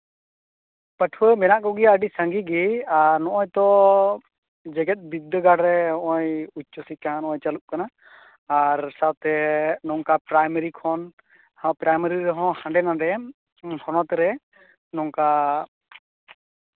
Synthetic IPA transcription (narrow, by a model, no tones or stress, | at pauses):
pəʈʰwəmɛnaʔkɔɡiaəɖisəŋɡiɡiaɾnɔʔɔjt̪ɔ | d͡ʒɛɡɛt̪̚ˀbid̪ːəɡaɖɾɛɔʔɔjut͡ʃːɔsikanɔʔɔjt͡ʃaluʔ̚kanaː | ɾsawt̪ɛnɔŋkapɾajməɾikʰɔn | hapɾajməɾiɾɛɦɔ̃hãɳɖɛnaɳɖɛ | hɔnɔt̪ɛɾɛ | nɔŋka